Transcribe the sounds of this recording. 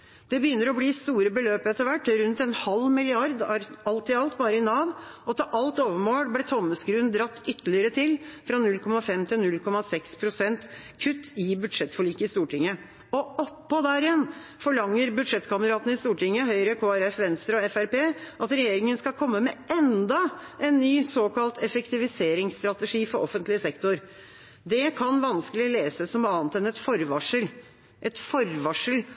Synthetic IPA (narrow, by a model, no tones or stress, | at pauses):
d̪̥ɛbəjʏnːəɾɔbliːst̪uːɾəbəløːpɛt̪ːəɾʋæʈːɾʉnt̪ɛnhɑlmɪlɪɑɾd̪æɾɑlt̪ɪɑlt̪bɑːɾəɪnɑːʋɔt̪ʰɑʔɑlt̪oːʋəmoːɽbleːt̪ʰɔməsɡɾʉːnd̪ɾɑt̪ːʏt̪ʰːəlɪəɾət̪ʰɪlfɾɑnʉlkʰɔmɑfɛmt̪ʰɪlnʉlkʰɔmɑsɛkspʰɾʊsɛnt̪ | kʰʉt̪ːɪbʉd̪ʂɛt̪fɔɭiːkəɪst̪uːʈɪŋːə | ɔɔpːɔd̪æɾɪjɛnː | fɔɭɑŋːəɾbʉd̪ʂɛt̪ːkʰɑməɾɑːt̪nəɪst̪uːʈɪŋːəɦœʏɾəkʰoːæɾɛfʋɛnst̪əɾɔɛfæɾpeːʔɑt̪ɾɛjeːɾɪŋənskɑlkʰɔmːəmɛɛnd̪ɑʔɛnːyːsoːkʰɑlt̪ʰɛfəkt̪ɪʋɪseːɾɪŋst̪ɾɑt̪əʂiːfɔɾʔɔfənt̪lɪəsɛkt̪ʊɾ | d̪ɛkʰɑnʋɑnskəlɪleːsəsɔmɑːnt̪ɛnɛt̪fɔɾʋɑʂəl | ʔɛt̪fɔɾʋɑʂəl